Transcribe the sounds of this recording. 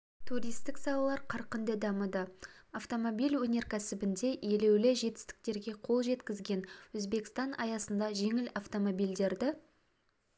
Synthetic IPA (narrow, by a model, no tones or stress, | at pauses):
t̪ʰuɾʲijst̪ɪksɑlˠɑlˠɑɾqʰɑɾqənd̪əd̪ɑməd̪ɑaft̪o̞mo̞bilʲwɵnʲe̞ɾkʲʰæsɪbɪnd̪e̞ʔje̞le̞wlɪʒe̞t̪ɪ̥st̪ɪ̥k̚t̪e̞ɾɡʲe̞qʰo̞lˠʒe̞t̪kʲɪzɡʲe̞nwɵzbe̞kʲɪ̥st̪ɑnɑjɑsənd̪ɑʒe̞ŋɪlaft̪o̞mo̞bijld̪e̞ɾd̪ɪ